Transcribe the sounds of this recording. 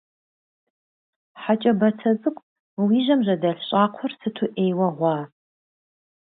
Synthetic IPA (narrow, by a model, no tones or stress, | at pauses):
ħat͡ʃʼɐbɐtʰɐzɨkʷʼ | wiːʒɐmʑɐdɐɬɕʼaːqʷʰʊrsɨtʰuʔeːjwɐʁʷɑː